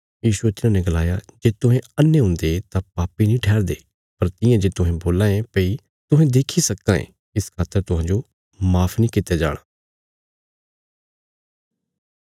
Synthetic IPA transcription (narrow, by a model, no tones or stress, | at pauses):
jiːʃʊet̪ɪnãːnɛɡəlaːjad͡ʒeːt̪ʊɦɛ̃ɐnːeɦʊ̃ːnd̪et̪ãpaːpinĩːʈʰɛːɾd̪eː | pɐɾt̪ɪ̃jãd͡ʒeːt̪ʊɦɛ̃boːlãːẽpəi | t̪ʊɦɛ̃d̪eːkʰisɐkːãːḛ̃ː | ɪskʰaːt̪ːəɾt̪ʊɦãːd͡ʒo | maːpʰnĩːkɪt̪ːjad͡ʒa̰ːɽ̃aː